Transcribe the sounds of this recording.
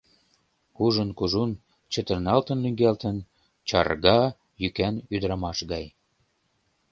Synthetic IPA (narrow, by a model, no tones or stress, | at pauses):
uʒənkuʒun | t͡ɕə̆t̪ə̆rnɑlt̪ə̆nːyŋɡælt̪ən | t͡ɕɑ̰rɣɑ | jykænyd̪əɾɑmɑʃɣɑj